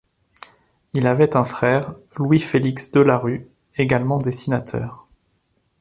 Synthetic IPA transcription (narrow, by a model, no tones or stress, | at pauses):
ilavɛt̪ɛ̃fχɛːʁlwifeliksd̪əlaʁy | eɡalmɑ̃d̪esinat̪ʰœ̰ːʁ